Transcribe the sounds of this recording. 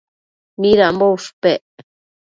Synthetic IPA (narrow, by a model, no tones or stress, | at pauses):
mĩɾambouʂpeʔ